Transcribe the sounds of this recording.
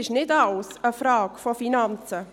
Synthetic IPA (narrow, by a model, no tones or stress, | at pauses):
ɪʃnɪtaʊsəfraːkfɔfinant͡sə